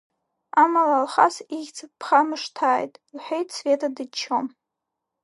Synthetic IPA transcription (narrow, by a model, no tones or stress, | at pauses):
amalalχa̰siʒʲt͡sʰɨpʰχamɨʂtʰaːjtʼlħʷᶣejtʼsve̞tʰadɨt͡ʃʰom